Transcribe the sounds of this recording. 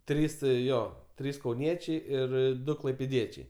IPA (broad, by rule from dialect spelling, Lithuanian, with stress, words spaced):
ˈtʲrʲiːs ˈjoː ˈtʲrʲiːs kɐʊˈnʲiɛt͡ʃʲɛɪ ɪr ˈdʊ klˠɐɪpʲeːˈdʲiɛt͡ʃʲɛɪ